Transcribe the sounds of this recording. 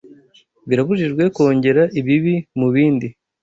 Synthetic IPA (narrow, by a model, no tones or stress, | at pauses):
βiɾaβuʒiʒɡwe̞ko̞ːɲɟe̞ɾaʔiβiβimuβiːndi